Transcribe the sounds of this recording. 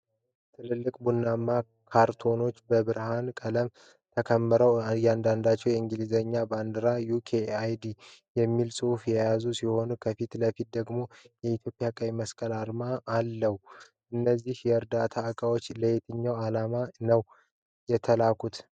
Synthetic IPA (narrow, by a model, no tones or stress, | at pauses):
t̪ʰɨlɨlːɨkʼbunːamːa | kʰaɾt̪ʰo̞no̞t͡ʃːbəbɨɾhankʼələm | t̪ʰəkʰəmːəɾəwjɛand̪and̪at͡ʃːɛwjɛɨŋɡɨlizəɲːaband̪ɨɾajukʰeajd̪ijɛmːilsʼɨufjɛjazusiho̞nukʰəfit̪ləfit̪̚d̪əɡmo̞jɛit̪jo̞pʼjakʼaβiməskʼəlaɾmaːlːəhu | ʔɨnːəzːihjɛɨɾd̪at̪ʰaɨkʼawo̞t͡ʃːləjet̪ʰɨɲːawalamanəw | jɛt̪ʰəlakʰut̪